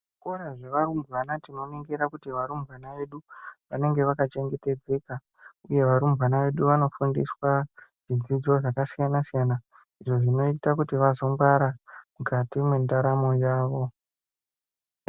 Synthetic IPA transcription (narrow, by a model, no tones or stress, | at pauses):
ʐikoɾaʐe̞ʋaɾumbwanatino̞miŋɡiɾakutiʋaɾumbʱwanaʋe̞ɗuʋane̞ŋɡe̞ʋakat͡ʃe̞ŋɡe̞te̞d͡ze̞ːka | uje̞ʋaɾumbwanaʋe̞ɗuʋano̞fundḭswaʐ̥id͡zid͡zo̞ʐakasijanasijana | iʐo̞ʐino̞itakutiʋazo̞ŋɡaɾamukatimwendaɾamo̞jaːʋo̞